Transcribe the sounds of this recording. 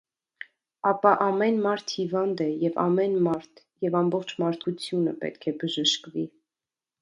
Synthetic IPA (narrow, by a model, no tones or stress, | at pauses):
ɑpɑʔɑmɛnmɑɾt̪ʰhivɑnd̪ɛjɛvɑ̰mɛnmɑɾt̪ʰ | jɛvɑmbɔχt͡ʃʰmɑɾt̪ʰut͡sʰjunə̰pɛ̰t̪kʰɛbəʒəʃkvi